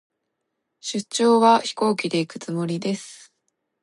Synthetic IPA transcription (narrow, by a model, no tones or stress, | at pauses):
ɕɨt͡ɕːo̞ːβaçi̥ko̞ːkʲid̪e̞ikɯ̟t͡sɨmo̞ɾʲid̪e̞sɨ̥